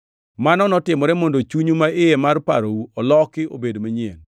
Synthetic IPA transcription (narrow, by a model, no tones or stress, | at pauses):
manɔnɔtɪmɔɾɛmondot͡ʃuɲumaɪjemarpa̰ɾowuɔlɔkɪo̰bedmaɲɪɛn